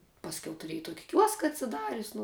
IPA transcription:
pɐsʲˈkʲɛʊ tʊˈrʲiɛjɪ ˈtuɔkʲɪ ˈkʲuɔskɐ ɐtʲsʲɪˈdɑːrʲʊsʲ nʊ

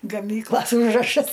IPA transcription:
ɡɐˈmʲiːklˠɐs ˈuːʒrɐʃɐs

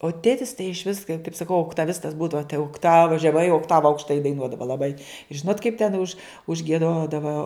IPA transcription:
oː ˈtʲeːtʲɪs tɐɪ ɪʃʲˈʋʲɪs kɐɪ kɐɪp sɐˈkɐʊ oːktɐˈʋʲɪstɐs ˈbuːdɐʋɐ tɐɪ oːkˈtɑːʋɐ ʒʲɛˈmɐɪ oːkˈtɑːʋɐ ɐʊkʃˈtɐɪ dɐɪˈnuɔdɐʋɐ lˠɐˈbɐɪ ˈʒʲɪnoːt kɐɪp tʲɛn ʊʃ ʊʒʲɡʲiɛˈdoːdɐʋɐ

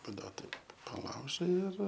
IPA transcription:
pɐˈduɔt ˈtɐɪp pɐˈlˠɐʊʒɐɪ ɪr

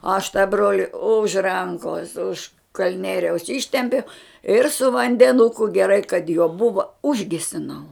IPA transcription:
ɐʃ tɑː ˈbroːlʲɪ ʊʃ ˈrɐŋkoːs ʊʃ kɐlʲˈnʲiɛrʲɛʊs ˈɪʃʲtʲɛmʲpʲɛʊ ɪr sʊ ʋɐnʲdʲɛˈnʊkʊ ɡʲɛˈrɐɪ kɐt juɔ ˈbʊʋɐ ˈʊʒʲɡʲɛsʲɪnɐʊ

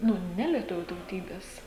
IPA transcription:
ˈnʊ ˈnʲæːlʲiɛtʊʋʲuː tɐʊˈtʲiːbʲɛs

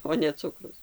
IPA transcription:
oː nʲɛ ˈt͡sʊkrʊs

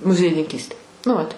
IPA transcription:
mʊzʲiɛjɪnʲɪŋʲˈkʲiːsʲtʲeː nʊ ˈʋɐt

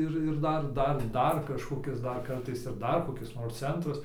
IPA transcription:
ˈɪr ɪr ˈdɐr ˈdɐr ˈdɐr kɐʃkoːˈkʲɪs ˈdɐr ˈkɐrtɐɪs ɪr ˈdɐr koːˈkʲɪs noːrs ˈt͡sʲɛntrɐs

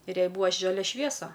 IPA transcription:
ɪr ˈjɛɪ ˈbuːʋɐ ˈʒɑːlʲɛ ˈʃʲʋʲiɛsɐ

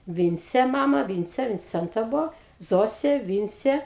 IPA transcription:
ˈʋʲɪnʲt͡sʲeː ˈmɑːmɐ ˈʋʲɪnʲt͡sʲeː ʋʲɪnʲˈt͡sʲɛntɐ ˈbʊʋoː ˈzoːsʲeː ˈʋʲɪnʲt͡sʲeː

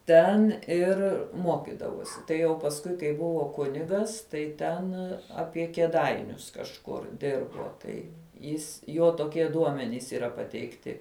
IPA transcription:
ˈtʲɛn ˈɪr ˈmoːkʲɪdɐʋoːsʲɪ tɐɪ jɛʊ pɐsˈkʊɪ kɐɪ ˈbʊʋoː ˈkʊnʲɪɡɐs ˈtɐɪ ˈtʲɛn ˈɑːpʲiɛ kʲiɛˈdɐɪnʲʊs kɐʃˈkʊr ˈdʲɪrboː ˈtɐɪ ˈjɪs ˈjoː toːˈkʲiɛ ˈduɔmʲɛnʲiːs iːˈrɐ pɐtʲɛɪkˈtʲɪ

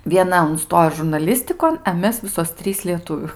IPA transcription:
ʋʲiɛˈnɐ ʊnˈstoːjoː ʒʊrnɐˈlʲɪsʲtʲɪkoːn ɛ ˈmʲɛs ˈʋʲɪsoːs ˈtʲrʲiːs lʲiɛˈtʊʋʲuː

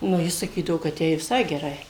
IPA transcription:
nʊ ˈjɪ sɐˈkʲiːdɐʋoː kɐt ˈjɛɪ ʋʲɪˈsɐɪ ɡʲɛˈrɐɪ

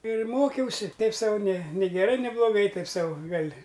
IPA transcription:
ɪr ˈmoːkʲɛʊsʲɪ ˈtʲɛɪp ˈsɐʊ nʲeː nʲeː ɡʲɛˈrɐɪ nʲeː blˠoːˈɡɐɪ ˈtɐɪp ˈsɐʊ ˈɡɐlʲ

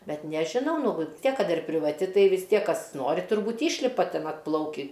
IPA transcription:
ˈbʲɛt nʲɛʒʲɪˈnɐʊ ˈnʊ ʋɨ ˈtʲiɛk ˈkɐt ɪr pʲrʲɪʋɐˈtʲɪ ˈtɐɪ ʋʲɪs ˈtʲiɛk ˈkɐs ˈnoːrʲɪ tʊrˈbuːt ˈiːʃʲlʲɪpɐ ˈtʲɛn ɐtˈplˠɐʊkʲiː

